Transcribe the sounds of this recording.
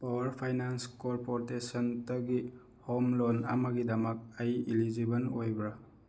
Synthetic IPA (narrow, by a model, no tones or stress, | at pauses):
pawɐɾpʰajnanskoɾpoɾtesɔntɐɡi | homlonɐ̰mɐɡidɐmɐk̚ajilid͡ʒibɐnojbɾa